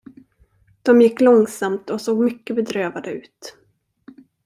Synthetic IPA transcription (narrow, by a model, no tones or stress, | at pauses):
d̪̥ɔmjɪkːlɔŋsamt̪ɔsoːɡmʏkːəbɛd̪ɾøːvad̪əʉ̟ːt̪